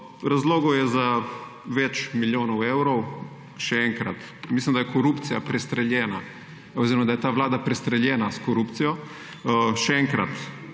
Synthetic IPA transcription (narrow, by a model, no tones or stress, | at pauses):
ɾazloːɡowjɛza | ʋɛt͡ʃmiljoːnɐwewɾɔw | ʃɛɛŋkɾa̰t̪ | mislʲimd̪ajɛkoɾupt̪sijapɾɛst̪ɾɛljɛːna | oziɾɔmad̪ajɛt̪aːʋlaːd̪apɾɛst̪ɾɛljɛːnaskɔɾupt̪sijɔ | ʃɛɛŋkɾa̰t̪